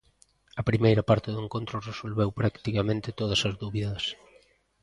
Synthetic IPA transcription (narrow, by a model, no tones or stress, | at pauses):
ɐpɾimejɾɐpaɾt̪ɪðʊeŋkõnt̪ɾʊresolβewpɾakt̪ikamẽnt̪ɪt̪oð̞ɐsɐzðuβiðɐs